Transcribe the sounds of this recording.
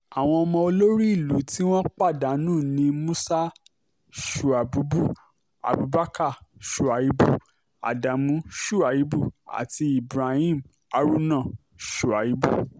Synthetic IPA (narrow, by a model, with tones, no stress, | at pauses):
a˨w̃ɔ̃˧ɔ˧mɔ̃˧o˧lo˦ɾi˦i˦˨lu˨˦ti˦w̃ɔ̃˦k͡pa˦˨da˨˦nũː˦˨nĩ˧mũ˦sa˦ | ʃu˨a˨bu˨˦bu˦˨ | a̰˨bu˨˦ba˦ka˦˨ʃu˨a˨ji˨˦bu˦˨ | a̰˨da˨mũ˨˦ʃu˦˨a˨ji˨˦bu˦˨a̰˨ti˧i˨bɾa˨ĩ˦˨m | a˧ɾu˦nã˦˨ | ʃu˨a˨ji˨˦bu˦˨